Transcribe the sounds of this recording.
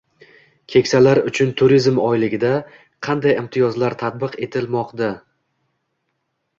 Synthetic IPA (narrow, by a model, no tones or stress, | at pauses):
kʲʰe̞kʲsalaɾʊt͡ʃʰʊnt̪ʰʊɾizmɒjlɪɡʲɪd̪a | qʰɑnd̪ajɪmt̪ʰɪjɒzlaɾt̪ʰat̪̚bɨqe̞t̪ʰɪlmɒqd̪a